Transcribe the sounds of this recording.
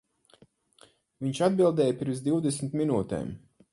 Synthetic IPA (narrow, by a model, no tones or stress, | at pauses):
viɲʃad̪̚bilˠd̪ɛːjpiɾmzd̪iwd̪esmt̪minuːt̪ɛ̰ːm